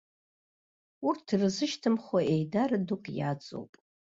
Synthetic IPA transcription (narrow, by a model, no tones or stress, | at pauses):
urtʰrɨzɨʃtʰɨmχaʔejdarɨdukʼja̰t͡sʼo̰wpʼ